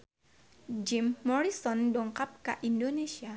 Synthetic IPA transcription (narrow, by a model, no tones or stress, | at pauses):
d͡ʒimːɔɹisɔndɔŋkap̚kaʔindonesia